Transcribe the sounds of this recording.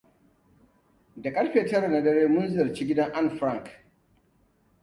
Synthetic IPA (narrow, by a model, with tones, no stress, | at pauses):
da˨kʼɐ˦ɽɸeː˨tɐ˦ɾa˨na˨dɐ˦ɾeː˦mʊ˦nzʊ˦jɐ˨rt͡ʃi˦ɡʲɪ˦dɐ˦ŋʔa˦˨nɸɾa˦˨ŋk